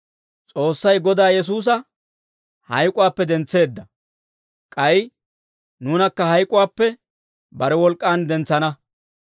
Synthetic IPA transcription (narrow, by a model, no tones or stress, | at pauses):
t͡sʼo̞ːsːɐjɡɔd̪aːjɛs̬uːs̬ɐ | hɐjkʼʊwaːpːɛd̪ɛnt͡sːe̞ːd̪ːɐ | kʼɐj | nuːnɐkːɐhɐjkʼʊwaːpːɛ | bɐɾɛwɔlkʼːaːnd̪ɛnt͡sːɐnɐ